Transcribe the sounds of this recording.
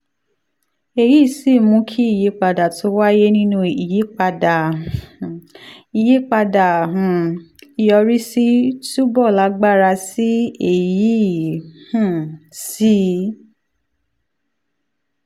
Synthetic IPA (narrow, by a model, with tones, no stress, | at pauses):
e˧˨ji˦˨si˦˨mũ˧˦kʰi˦i˦˨je˨˦k͡pa˧da˨tʰo˦wa˦je˦nĩ˦nũ˦i˨je˨˦k͡pa˧da˨ | i˨je˨˦k͡pa˧da˨ɦũ˨i˨jɔ˧ɾi˦si˦tu˦bɔ˦˨la˨˦ɡ͡ba˦˨ɾa˧si˦e˨ji˦˨hũ˨si˦